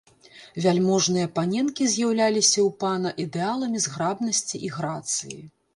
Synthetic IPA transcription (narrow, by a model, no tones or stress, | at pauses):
vʲalʲmɔʐnɨjɐpanʲɛnkʲizʲjawlʲalʲisʲɐwpanɐʔid̪ɛalˠɐmʲizɣɾabn̪ɐsʲt͡sʲiʔiɣɾat̪sɨjḭ